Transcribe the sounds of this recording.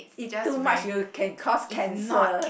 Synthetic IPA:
itumat͡ʃjukʰɛ̃nkʰɔskʰɛ̃nsə

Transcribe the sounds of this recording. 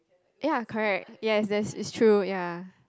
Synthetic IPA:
jakʰɔɹɛk̚t̚jɛsdɛtsɪ̰tstʰɹuja

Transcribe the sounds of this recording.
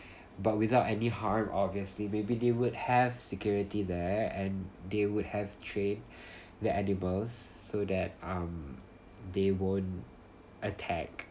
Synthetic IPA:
bat̚wɪθaʊtɛnihaɹmʔɔbviəslimebidewʊd̚hɛvsɛkjɔɹitidɛɛ̃ndewʊd̚hɛv̥tʰɹẽn | dəʔɛniməlsːodɛt̚ãm | d̪ewõnt | ʔətʰɛk̚

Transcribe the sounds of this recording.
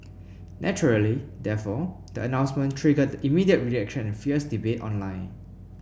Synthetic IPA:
nʔɛt͡ʃəɹəlidɛfɔ | d̥əənãw̃nsmə̃ntʰɹiɡət̚dəʔimidiət̚ɹiɛkʃə̃nɛ̃nfiəsdibetɔ̰̃nlãɪ̃n

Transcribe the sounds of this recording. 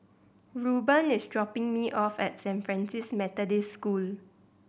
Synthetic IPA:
ɹubə̃nɪsdɹɔpɪ̃ŋmiʔɔfɛt̚sɛ̃nfɹɛ̃nsismɛtədeskul

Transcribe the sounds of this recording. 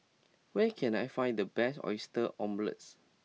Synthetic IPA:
wɛkʰɛ̃najfãj̃ndəbɛsɔ̰jstəʔɔ̃mblə̰ts

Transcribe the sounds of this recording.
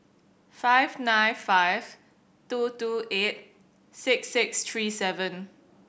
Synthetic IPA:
faɪvnãɪfaɪv̥ | tutuʔet̚ | sɪksːɪkst̪ɹisɛvə̃n

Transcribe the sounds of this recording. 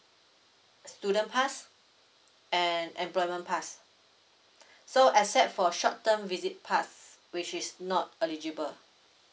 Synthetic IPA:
studə̃npʰas | ɛ̃nɛ̃mplɔjmə̃npʰas | soʔasɛt̚fɔʃɔt̚tːə̃mvizit̚pʰas | wit͡ʃisnɔt̚ɛlid͡ʒibəl

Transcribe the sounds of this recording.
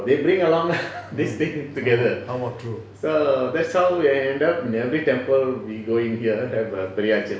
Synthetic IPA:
d̪ebɾĩŋəlɔ̃ŋd̪ist̪ĩŋtuɡɛd̪əãmɔtʰɹu | sod̪ɛtshawiaɛ̃ɳɖapĩnɛvɾitɛ̃mpəlwiɡoĩŋhiə̃ɛvəbɛɾiad͡ʒə̃

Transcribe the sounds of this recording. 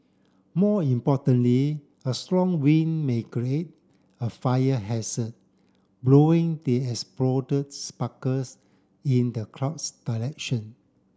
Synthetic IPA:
mɔĩmpɔtə̃nli | əstɹɔ̃ŋwĩnmekɹiet̚ | əfajəɦɛsət̚ | bloɪ̃ŋdeɛkspɹɔdət̚spakəs | ĩndəkʰɹapsd̥alɛk̚ʃə̃n

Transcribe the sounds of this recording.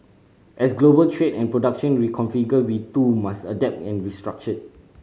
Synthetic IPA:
ʔɛsɡlobəltʰɹedɛ̃npɹodak̚ʃə̃nɹikʰɔ̃nfiɡəwitumastədɛp̚tɛ̃nɹistɹak̚t͡ʃə̃n

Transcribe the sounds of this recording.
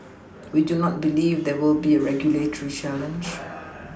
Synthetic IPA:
widunɔt̚bilivd̪ɛwɪlbiəɹɛɡjuletəɹit͡ʃɛlə̃nd͡ʒ

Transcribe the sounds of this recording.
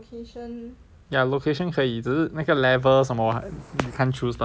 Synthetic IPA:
n | jalokʰeʃə̃nkʰəid͡ʒəlakəlɛvəs̬ãmɔjukʰãnt͡ʃʰusda

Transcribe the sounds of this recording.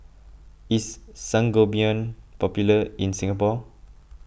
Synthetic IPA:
isːãŋɡobiə̃npɔpjuləĩnsĩŋapɔ

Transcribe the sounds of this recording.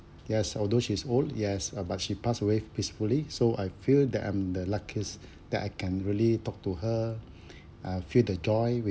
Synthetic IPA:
jɛsɔld̪oʃiːsoldjɛsbat̚ʃipasəwepisfulisoʔajfildɛ̰tã̰ɪ̃mdəlakʰəs | d̥ɛ̰taɪkʰɛ̃nɹiəlitɔk̚tuɦə | afildəd͡ʒɔjwi

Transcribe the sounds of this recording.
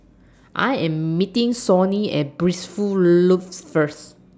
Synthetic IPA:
ʔa̰jɛ̃mːitĩŋsɔniɛ̰t̚bɹisfuluffəs

